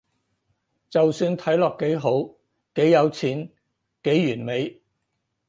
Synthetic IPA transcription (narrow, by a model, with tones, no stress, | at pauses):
t͡sɐ˨wsyː˧nt̪ʰɐ˨˥jlɔː˨kːe˨˥jɦo˨˥w | ke˨˥jːɐ˨˧wt͡sʰiː˨˥n | ke˨˥jːyː˨˩nme˨˧j